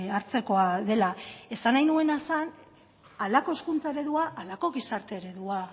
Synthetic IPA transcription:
aɾt͡se̞ko̞aðe̞lae̞sanajnue̞nasan | alako̞eskunt͡sae̞ɾe̞ðuaʔalako̞ɣisaɾt̪e̞ːɾe̞ðua

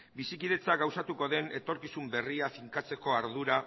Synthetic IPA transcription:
bisikið̞e̞t͡saɡawsat̪uko̞ðe̞ne̞t̪o̞ɾkisumbe̞riafiŋkat͡se̞ko̞aɾðuɾa

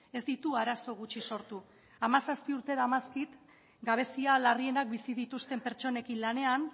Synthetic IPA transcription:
e̞zd̪it̪uaɾaso̞ɣ̞ut͡ʃiso̞ɾt̪u | amasaspiuɾt̪e̞ðamaskit̪ | ɡaβ̞e̞sialarie̞nak̚bisið̞it̪ust̪e̞mpe̞ɾt͡ʃo̞ne̞kinlane̞an

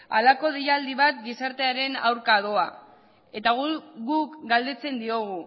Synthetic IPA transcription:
alako̞ð̞iʎald̪iβat̪ɡisaɾt̪e̞aɾe̞na̰wɾkaðo̞a | e̞t̪aɣuɡukɡald̪e̞t͡se̞nd̪io̞ɣ̞u

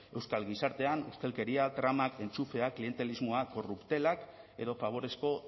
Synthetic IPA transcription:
e̞wskalɣisaɾt̪e̞anust̪e̞lke̞ɾiat̪ɾamake̞nt͡sufe̞aklie̞nt̪e̞lizmo̞ako̞rupt̪e̞lake̞ðo̞faβ̞o̞ɾe̞sko̞

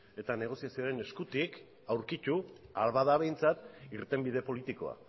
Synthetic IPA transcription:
e̞t̪ane̞ɣ̞o̞siasioɾe̞ne̞skut̪ik | awɾkit̪ualβað̞aβ̞e̞jnt͡sat̪iɾt̪e̞mbið̞e̞po̞lit̪iko̞̰a̰

